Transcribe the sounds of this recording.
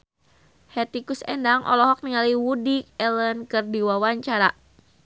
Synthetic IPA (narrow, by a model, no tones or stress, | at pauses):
hɛt̪ikusɛ̰ndaŋʔɔ̰lɔɦɔk̚niŋaliwudik̚ɛlənkɨrdiwawaɲt͡ʃaɾa